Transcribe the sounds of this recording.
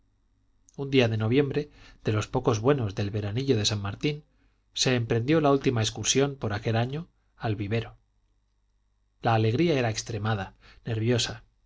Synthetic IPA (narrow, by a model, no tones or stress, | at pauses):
und̪iaðe̞no̞β̞je̞mbɾe̞ðe̞lo̞spo̞kozβwe̞no̞zðe̞lβe̞ɾaniʎo̞ð̞e̞sammaɾt̪in | se̞ːmpɾe̞nd̪jo̞lault̪imaeskuɾsjo̞mpo̞ɾakelaɲo̞ | alβiβ̞e̞ɾo̞ | laːle̞ɣ̞ɾiae̞ɾae̞kst̪ɾe̞mað̞ane̞ɾβ̞jo̞sa